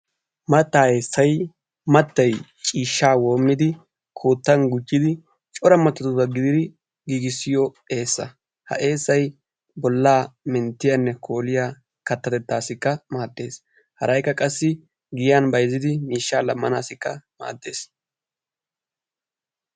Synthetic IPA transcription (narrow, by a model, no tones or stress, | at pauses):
mɐt̪ːaːjesːɐj | mɐt̪ːɐj | t͡ʃʼiːʃːaːwo̞ːmːɪd̪ɪ | kʰoːt̪ːɐnɡʊt͡ʃːɪd̪ɪ | t͡ʃʼɔɾɐmɐt̪ːɐt̪ʊbɐɡɪd̪ɪd̪ɪ | ɡiːɡɪsːɪjɔ | e̞ːsːɐ̰ | hɐ̰ʔe̞ːsːɐj | bɔlːaːmɛnt̪ːɪjanːɛkʰo̞ːlɪja | kɐt̪ːɐt̪ɛt̪ːaːsɪkːɐmaːd̪ːe̞̰ːs | hɐɾɐjkːɐkʼɐsːɪ | ɡɪjjanbɐjzːɪd̪ɪmiːʃːaːlɐmːɐnaːsɪkːɐma̰ːd̪ːe̞ːs